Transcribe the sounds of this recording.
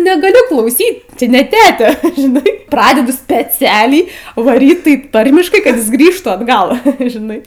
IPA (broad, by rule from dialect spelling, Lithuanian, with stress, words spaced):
nʲɛɡɐˈlʲʊ klˠɐʊˈsʲiːt ˈt͡ʃʲɪ nʲɛ ˈtʲæːtʲɛ ʒʲɪˈnɐɪ ˈprɑːdʲɛdʊ sʲpʲɛˈt͡sʲæːlʲɛɪ ʋɐˈrʲiːt tɐɪp ˈtɐrʲmʲɪʃkɐɪ kɐt ˈjɪs ˈɡrʲiːʃtuː ɐdˈɡɐlˠ ʒʲɪˈnɐɪ